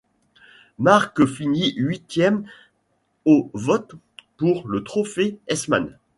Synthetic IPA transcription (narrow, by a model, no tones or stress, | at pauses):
maʁkəfiniɥit̪jɛm | ovɔt̪ | puʁlət̪χɔfeɛsma̰n